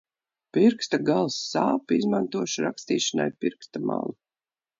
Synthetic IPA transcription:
piɾkst̪aɡalˠsːaːpizmant̪uɔʃɾakst̪iːʃana̰jpiɾkst̪ama̰lˠu

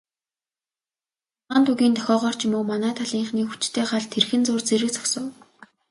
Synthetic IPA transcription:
aːnt̪ʰuɣʲiːnt̪ʰœ̥xʲɔːʁɔːr̥t͡ɕʰimoːmanæːt̪ʰaɮiːɴχniːxut͡ɕt̪ʰeːχaɮt̪ʰerxɘ̆nt͡sʊːrt͡seɾɘ̆k̚t͡sʰɔ̥ksə̆w

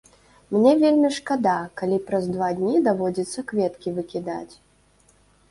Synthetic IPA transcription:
mnʲɛvʲelʲmʲiʂkad̪akalʲipɾɐzd̪vad̪ʲnʲid̪avɔd͡zʲit̪sːɐkvʲɛt̪kʲivɨkʲid̪a̰t͡sʲ

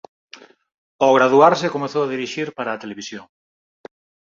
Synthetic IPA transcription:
oɣɾaðuaɾsekomeθoað̞iɾiʃiɾpaɾaːt̪eleβ̞isjoŋ

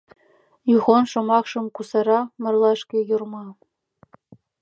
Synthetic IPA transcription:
juʁonʃŏmɑχʃɤ̆mkusɑɾɑmɤ̆rlˠɑʃkʲejurmɑ

